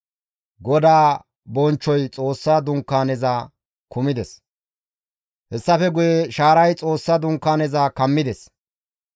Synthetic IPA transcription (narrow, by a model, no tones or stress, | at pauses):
ɡɔd̪aː | bɔnt͡ʃːɔjt͡sʼo̞ːsːaːd̪ʊŋkːaːnɛzaː | kʰʊmɪd̪ɛs | hɛsːɐfɛɡʊjeʃaːɾɐjt͡sʼo̞ːsːad̪ʊŋkːaːnɛzaːkɐmːɪd̪ɛs